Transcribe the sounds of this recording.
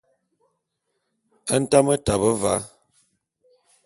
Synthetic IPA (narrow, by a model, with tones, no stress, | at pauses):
ə˦n̩˦ta˦mə˦ta˨bə˦va̰˨˦